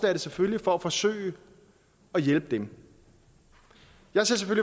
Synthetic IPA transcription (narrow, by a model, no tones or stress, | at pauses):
l̥æd̥əseføllifɒ̽æfɒ̽sø̰ːɪ | ɒ̽jelb̥əd̥em | jɑ̈ɪseɐseføli